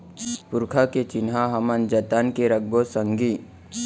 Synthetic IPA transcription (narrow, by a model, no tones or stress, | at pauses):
pʊɾkʰaket͡ʃɪnɦaɦɐmənd͡ʒɐt̪ankeɾək̚bosə̃ŋɡiː